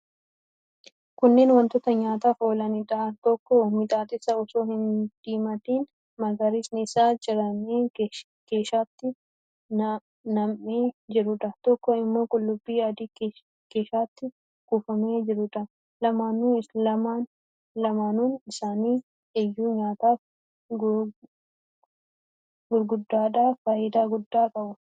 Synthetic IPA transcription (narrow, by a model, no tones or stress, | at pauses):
kʊnːeːnwɐnt̪ɔt̪ɐɲaːt̪aːfoːlɐnɪᶑ̪ɐt̪ɔkːɔmɪt̪ʼaːt̪ɪsɐɔsoːhɪnd̪̥iːmɐt̪iːn | mɐɡɐɾɪsnɪɪsaːd͡ʒɪɾɐnːeː | ke̞ːʃaːt̪ːɪ | nɐmːeːd͡ʒɪɾʊᶑ̪ɐt̪ɔkːɔɪmːo̞ːkʼʊlːʊbːiːjaːd̪iː | keːʃaːt̪ːɪ | ɡ̥uːfɐmeːd͡ʒɪɾʊᶑɐ | lɐmaːnːuːɐmaːn | lɐmaːnuːnɪsaːniː | ʔɛjːuːɲaːt̪aːf | ɡ | ɡʊɾɡʊd̪ːaːᶑaːfaːjɪd̪aːɡʊd̪ːaːkʼɐbʊ